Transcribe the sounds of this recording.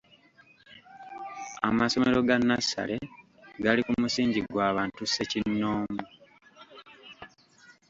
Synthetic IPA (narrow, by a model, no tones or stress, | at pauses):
a̰maso̞me̞ɾo̞ɡanːasa̰le̞ | ɡalikumusiːɲɟiɡwaːβaːntuse̞cinːoːmu